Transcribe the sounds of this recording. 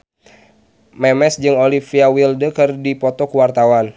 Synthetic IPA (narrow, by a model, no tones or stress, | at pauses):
mɛmɛsd͡ʒɨŋolifiawildəkɨrdipɔt̪ɔkəwart̪awan